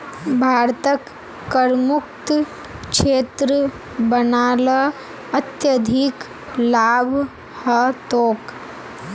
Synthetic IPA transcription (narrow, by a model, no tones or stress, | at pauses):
bʱaːɾt̪əkː | əɾmukt̪ | ʃeːt̪ɾə | bənaːlə | ɐt̪jəd̪ʱik | laːbʱ | hɐt̪oːk